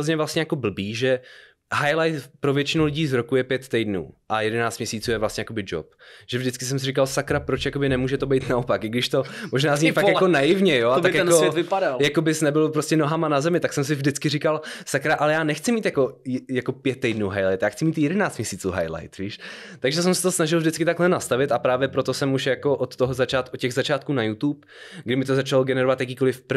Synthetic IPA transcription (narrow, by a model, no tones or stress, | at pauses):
ozɲɛvlast̪ɲɛjako̞bl̩biːʒɛ | ɦajlajt̪pɾovjɛt͡ʃɪnulɪɟiːzɾokujɛpjɛt̪ːɛjdnṵːʔajɛdɛnaːt͡st̪mɲɛsiːt͡suːjɛvlast̪ɲɛjako̞bɪd͡ʒo̰p̚ʒ̥ɛvʒdɪt͡skɪs̬ɛmsɪrik̬alsakɾapɾot͡ʃjakobɪnɛmuːʒɛt̪obɛjt̪naopakʔɪɡdɪʃt̪o̞moʒnaːzzɲifakkjakonajɪvɲɛjoaakjoɛvɪadaljakobɪsnɛbɪlopɾoscɛno̞ɦamanazɛmɪt̪aksɛms̬ɪvdɪt͡skɪrikalsakɾaʔalɛjaːnɛxt͡sɪmiːt̪jako̞jako̞pjɛt̪̚ːɛjdnuwɦajlajt̪jaːxt͡sɪmiːt̪jɛdɛnaːt͡stmɲɛsiːt͡suːɦa̰jla̰jt̪viːʃt̪aɡʒɛs̬ɛmsɛt̪osnaʒɪlvdɪt͡skɪt̪aklɛnast̪avɪt̪apɾaːvjɛpɾo̞t̪o̞sɛmuʃjako̞ʔot̪ːoɦozat͡ʃaːt̪ot̪̚cɛɣzat͡ʃaːt̪̚kuːnajut̪uːp | ɡdɪmɪt̪o̞zat͡ʃaloɡɛnɛɾovat̪jakiːkolɪfpɾ